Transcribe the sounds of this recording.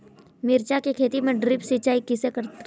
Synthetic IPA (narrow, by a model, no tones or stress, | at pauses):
mɪɾt͡ʃakekʰeːt̪imẽɖɾɪpsit͡ʃaːikɪsekəɾt̪